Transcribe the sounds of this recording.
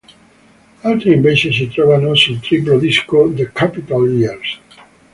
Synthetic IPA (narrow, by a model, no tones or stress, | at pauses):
alt̪eɾĩmbesesit̪ɾoβanosĩnt̪ɾipɾoðiskoðəkʰapit̪aliaɾs